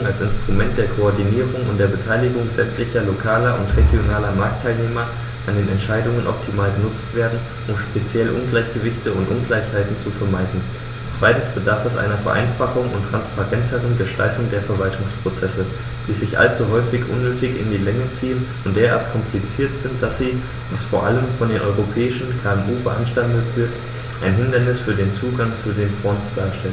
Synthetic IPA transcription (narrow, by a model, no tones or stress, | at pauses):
ŋalsɪnstʁ̥umɛnt̚d̥eːɐkʰoɔɐdiniːʁʊŋʊntd̥eːɐbətʰaɪlɪɡʊŋzɛmtlɪçɐlokʰaːlɐʔʊntʁeɡjonaːlɐmaɐk̚tʰːaɪlneːmɐ | ʔandeːnɛntʃaɪdʊŋənʔɔ̰p̚tʰimaːlɡənʊt͡stv̥eːɐdn̩ | ʔʊmʃpet͡sjɛlʔʊnɡlaɪçɡ̥əvɪçtəʊntʔʊnɡlaɪçhaɪtn̩t͡sufɛɐmaɪdn̩ | t͡sv̥aɪtn̩sb̥ədaɐfɛsʔa̰ɪnɐfɛɐʔa̰ɪnfaχʊŋʊ̰ntʁ̥anspʰaʁɛntʰəʁ̞ənɡəʃtʰa̰ltʊŋdeːɐfɛɐvaltʰʊŋspʁ̥ot͡sɛsə | d̥iːzɪçʔa̰lt͡suɦɔʏfɪçʔʊ̰nːøːtɪçɪ̰ndiːlɛŋət͡siːənʊntd̥eːɐʔa̰ɐtkʰɔmplit͡siːɐtz̥ɪnt̚d̥asz̥iː | vasfoːɐʔaləmfɔndeːnʔɔʏʁopʰɛːɪʃn̩kʰaːɛmʔuːbəʔa̰nʃtandətv̥ɪɐt | ʔaɪnɦɪndɐnɪsfyːɐdeːnt͡suːɡaŋt͡sudeːnfʁ̥ɔntsd̥aːɐʃtɛlən